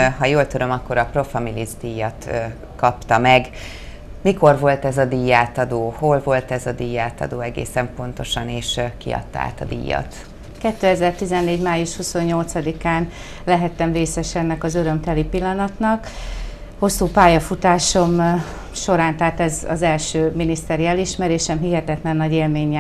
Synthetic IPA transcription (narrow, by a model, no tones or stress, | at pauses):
ɦɒjoːlt̪yɾømɒkːo̞ɾɒpro̞fɒmilizd̪ijːɒt̪ | kɒpt̪ɒmɛɡ | miko̞rvo̞lt̪ɛzɒd̪ijaːt̪ɒd̪oːho̞lvo̞lt̪ɛzɒd̪ijːaːt̪ɒ̰d̪oːɛɡḛːsɛmpo̞nt̪o̞ʃɒneːʃkḭɒ̰t̪ːɒa̰ːt̪ɒd̪ḭːjːɒ̰t̪ | kɛt̪ːøːɛzɛrt̪izɛnːeːɟmaːjuʃhuso̞ɲːo̞lt̪sɒd̪ikaːn | lɛɦɛt̪ɛmreːsɛʃɛnːɛkɒzøɾø̞mt̪ɛlipilːɒnɒt̪nɒk | ho̞sːuːpaːjɒfut̪aːʃo̞m | ʃo̞ɾaːnt̪aːt̪ɛzɒ̰zɛlʃøːminist̪ɛɾiɛliʃmɛɾeːʃɛmɦiɦɛt̪ɛt̪lɛnːɒɟeːlmeːɲːɛ